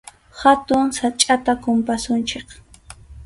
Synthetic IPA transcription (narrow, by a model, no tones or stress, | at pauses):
hat̪ʊŋsat͡ʃʼat̪akʊmpasʊnt͡ʃeχ